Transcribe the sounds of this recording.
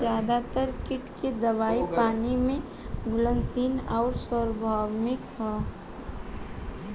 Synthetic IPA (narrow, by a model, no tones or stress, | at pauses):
zjaːd̪at̪əɾkɪʈked̪əʋaːipaːnimẽ | ɡʱʊlə̃nsiːnaʊɾsəɾbʱaːwmɪkɦɛː